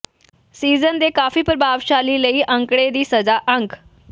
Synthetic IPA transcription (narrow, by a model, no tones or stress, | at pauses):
siːzənd̪eːkaːfiːpəɾəbʱaːʋʃaːliːləiːʔə̃ŋkɽed̪iːsɐəd͡zaʔə̃ŋk